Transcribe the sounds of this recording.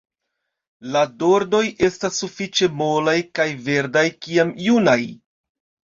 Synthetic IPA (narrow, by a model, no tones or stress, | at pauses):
lado̞ɾdo̞jʔe̞stasːufit͡ʃe̞molajkajve̞ɾdajkiamjunaj